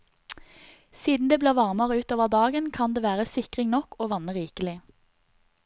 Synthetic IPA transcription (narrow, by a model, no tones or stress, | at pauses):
siːd̪n̩d̪eːbleːʁʋɑʁməʁəʉːt̪oːʋəʁd̪ɑːɡənkʰɑnd̪eːʋæːʁəsɪkʁɪŋnɔkoːʋɑnəʁiːkəlɪ